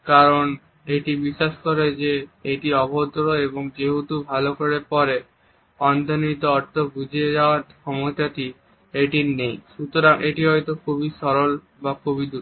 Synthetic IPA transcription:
kaɾon | eʈibiʃːaʃkoɾed͡ʑeeʈiɔbʱot̪ɾoeboŋd͡ʑeɦut̪ubʱalokoɾeɾpɔɾe | ɔnd̪ʱanit̪oɔɾt̪ʰobud͡ʑʱied͡ʑaoaɾkʰɔmot̪at̪i | eʈinejʃut̪oɾaŋeʈiɦɔjt̪okʰubisɔɾol | bakʰubid̪uɾ

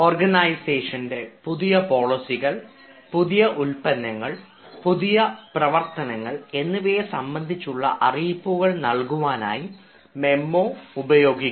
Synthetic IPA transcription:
oːrɡɐnɐjseːʂɐnde̞puðijɐpo̞ːɭisiɣɐɭ | puðijɐʔulpɐnːɐŋːɐɭ | puðijɐprɐʋɐrt̪ɐnɐŋːɐɭe̞nːuʋeːsɐmbɐnd̪ʱit͡ɕːuɭːɐ̰ʔɐriːpːuɣɐɭnɐɭkuʋaːna̰ːji | me̞mːo̞ːubɐjo̞ːɡikː

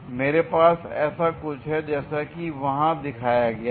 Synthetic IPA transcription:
meːɾepaːsɛ̰ːsakʊt͡ʃʰɦɛd͡ʒɛːsakiʋɐɦãd̪ɪkʰaːjaɡɐja

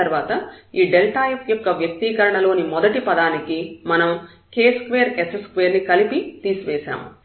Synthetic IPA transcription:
ɐɾʋaːt̪ɐiːɖelʈaːjpjɔkːɐʋjɐk̚t̪iːkɐɾɐɳɐlo̞ːnimɔd̪ɐʈipɐd̪aːnikimɐnɐm | ke̞ːskʋeːɐɾesɐskʋeːɾnikɐlipit̪iːsuʋeːʃa̰ːmṵ

